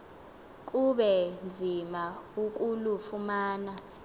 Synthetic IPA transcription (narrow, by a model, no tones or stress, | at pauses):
k̬ʼuɓɛnd͡zʱimauk̬ʼulufumaːna